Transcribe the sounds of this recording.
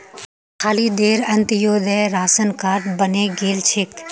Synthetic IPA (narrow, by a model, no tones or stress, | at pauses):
xʰaːlid̪eːɾɐ̃nt̪joːd̪ɛɾaːsənkaːɾʈ̚bɐneɡeːlt͡ʃʰɪk